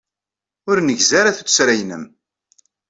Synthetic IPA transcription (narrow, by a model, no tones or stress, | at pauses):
ʊɾnəʝzaɾaθut͡sːsɾæjnəm